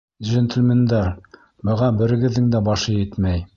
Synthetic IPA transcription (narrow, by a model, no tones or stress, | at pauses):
ʒent̪ɘ̆lʲmʲend̪æɾ | bɤ̆ʁɑbɘ̆ɾɘ̆ɡɘ̆ðːɘŋd̪æbɑʃɤjɘt̪mæj